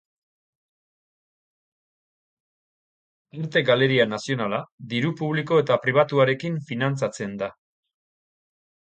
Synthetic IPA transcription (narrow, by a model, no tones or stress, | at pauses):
eɾt̪e̞ɡale̞ɾianasio̞nalad̪iɾupuβ̞liko̞e̞t̪apɾiβ̞at̪uaɾe̞kiɱfinant͡sat͡se̞nd̪a